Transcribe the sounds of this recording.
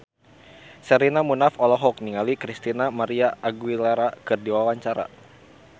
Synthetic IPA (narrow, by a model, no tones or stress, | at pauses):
sɛɾinamunafɔlɔɦɔk̚niŋalikɾist̪inamaɾiaʔːɡuwilaɾakɨrdiwawaɲt͡ʃaɾa̰